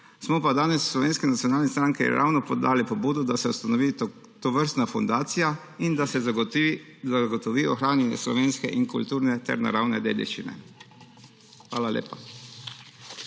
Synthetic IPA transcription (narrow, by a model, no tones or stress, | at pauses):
smɔpad̪aːnɛsːlɔʋeːnskɛnat̪ijɔnaːlnɛst̪ɾaŋkɛ̰ɾa̰ːwnɔpɔd̪aːlipɔbuːd̪ɔd̪asɛust̪anɔʋiː | t̪ɔʋəɾst̪nafund̪aːt̪sija | ind̪asɛ | zaɡɔt̪ɔʋiːɔxɾaːnislɔ̰ʋeːnskɛʔiŋkṵlt̪uːɾnɛt̪ɛ̰ɾna̰ɾawnɛd̪ḛːd̪ḭʃt͡ʃḭnɛ̰ | xʋaːlalʲḛːpa